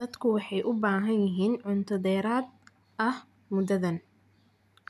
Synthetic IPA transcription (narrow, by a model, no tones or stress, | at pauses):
ɐd̪kʰʊwɑħɑjʔʊbaːɦɐnjɪɦiːnʕʊnt̪ʰɔðɛːɾaːd̪̚ | ʔɐh | mʊd̪ɐðɐn